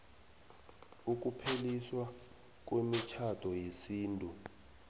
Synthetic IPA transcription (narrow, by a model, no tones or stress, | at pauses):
uk̬ʼupʰeliswa | k̬ʼwemit͡ʃʰatʰɔjesiːntʼu